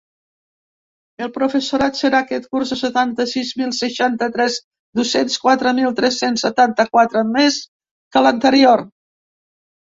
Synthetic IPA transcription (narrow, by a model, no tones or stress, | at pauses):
əlˠpɾufəsuɾat̪səɾaːkɛt̪̚kurzəsət̪ant̪əsizmilˠsəʃant̪ət̪ɾɛz | d̪usenskwat̪ɾəmilˠt̪ɾɛsːensət̪ant̪əkwat̪ɾəmes | kələnt̪əɾior